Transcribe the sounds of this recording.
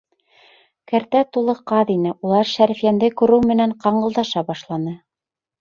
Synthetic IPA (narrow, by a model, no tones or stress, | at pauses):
kæ̆ɾt̪æt̪ulˠɤqɑðinɘʔulˠɑɾʃæɾɘfijænd̪ɘkʉ̆ɾɘwmɘ̆næɴqɑɴɢɤ̆lˠd̪ɑʃɑbɑʃlˠɑnɤ